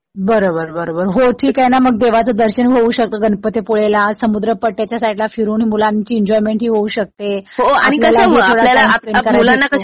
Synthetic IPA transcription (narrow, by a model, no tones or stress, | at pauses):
bəɾobəɾbəɾobəɾɦoʈʰiːkanaməɡ̚d̪eʋ̤at͡səd̪əɾɕəniɦouɕək̚t̪əɡənpət̪epoɭelasəmud̪ɾəpəʈːjat͡ɕjasaiɖlafiɾuːnɦiːmulãnt͡ɕiːɲd͡ʑɔjmeɳʈɦiːɦouːɕək̚t̪eañilalaɦit̪ʰoɽalalaalekəɾmaulanːakə